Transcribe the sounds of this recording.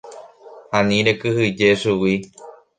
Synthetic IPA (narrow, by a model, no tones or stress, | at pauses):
hãnĩɾekɨhɨd͡ʒe̞ʃuwi